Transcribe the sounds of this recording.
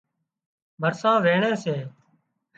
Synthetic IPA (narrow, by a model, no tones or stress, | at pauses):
bʱəɾsãːʋeːɳeːseː